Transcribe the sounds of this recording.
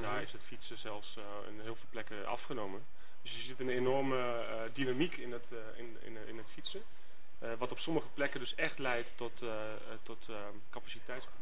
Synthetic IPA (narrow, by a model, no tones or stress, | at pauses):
daːɹɪsətfitsəzɛlˠfs | ə̰nɦiəlˠvɪlˠplɛkəʔɑ̰fχənowmən | d̥øsjəzitənenɔrmə | dinamikʰɪnt | ɪnɪ̰nɪ̰nətfisə | ʋɔtɔpsɔməχəplɛkədøsɛxtlɛjtːɔt | tɔt | kapasitɛjts